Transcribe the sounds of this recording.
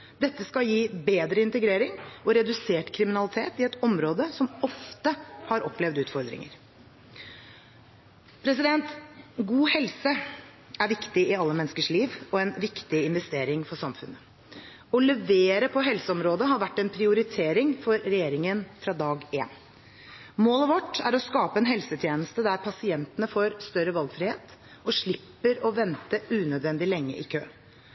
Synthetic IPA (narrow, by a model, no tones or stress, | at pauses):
d̪ɛt̪ːəskɑjiːbeːd̪ɾəɪnt̪əɡɾeːɾɪŋɔɾɛd̪ʉseːʈkʰɾɪmɪnɑlɪt̪ʰeːt̪ɪɛt̪ɔmɾoːd̪əsɔmɔft̪əhɑɾɔpːlɛʋd̪ʉːt̪fɔɾd̪ɾɪ̰ŋə̰ɾ | pʰɾɛs̬ɪd̪ɛnt̪ɡuːhɛlsə | æɾʋɪkt̪ɪɪɑlːəmɛnəskəʂɭiːʋɔɛnʋɪkt̪ɪɪnʋɛst̪eːɾɪŋfɔʂɑmfʉ̰nːə | ɔlɛʋeːɾəpʰɔɦɛlsəɔmɾoːd̪əɦɑɾʋæʈːɛnpʰɾɪʊɾɪt̪ʰeːɾɪŋfɔɾːɛjeːɾɪŋənfɾɑːd̪ɑːɡeːn | moːləʋɔʈːæ̰ɾɔskɑːpəɛnɦɛlsət̪ʰjeːnəst̪əd̪æɾpʰɑsɪɛnt̪ənəfɔɾst̪œɾəʋɑlɡfɾɪheːt̪ | ɔʂɭɪpːəɾɔʋɛnt̪əʉːnœd̪ʋɛnd̪ɪlɛŋːə̰ʔɪkʰø̰ː